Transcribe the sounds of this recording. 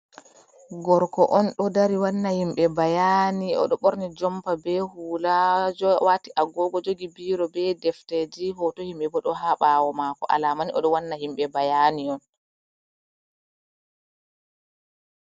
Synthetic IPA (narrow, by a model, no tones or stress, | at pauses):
ɡɔɾkɔʔɔnɗɔdaɾiwanːahimɓɛbajaniɔ̰ɗɔɓɔɾnid͡ʒɔmpabɛhuːlad͡ʒɔwatiʔaɡɔɡɔd͡ʒoɡibiːɾɔbɛdɛfted͡ʒiɦɔtohimɓɛbɔɗɔɦaɓawɔmakɔ̰ʔa̰lamaniʔɔɗɔwanːahimɓɛbajaniɔn